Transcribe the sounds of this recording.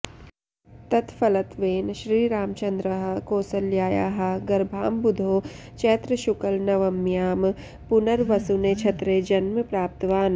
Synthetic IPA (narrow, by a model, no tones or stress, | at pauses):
t̪ɐt̪ʰfɐlɐt̪ʋeːnʃɾiːɾaːmt͡ʃɐnd̪ɾɐɦɐkoːsɐljaːja̰ːɦɐ̆ɡɐɾbʱaːmbʊd̪ʱoː | t͡ʃeːt̪ɾɐʃʊkəlnɐʋɐmjaːm | pʊnɐɾʋɐsuneːt͡ʃʰɐt̪ɾeːd͡ʒɐnmɐpɾaːp̚t̪ɐʋaːn